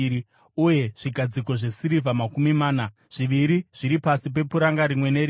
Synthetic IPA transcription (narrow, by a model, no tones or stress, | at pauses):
i | uje̞ʐ̥iɡʱad͡ziko̞ʐe̞siɾivamakumimaːna | ʐ̥iʋiɾiʐ̥iɾipasip̬e̞puɾaŋɡaɾimwe̞neɾi